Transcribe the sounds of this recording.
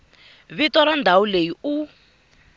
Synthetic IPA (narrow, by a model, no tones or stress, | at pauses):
βitɔɾandʱauleiu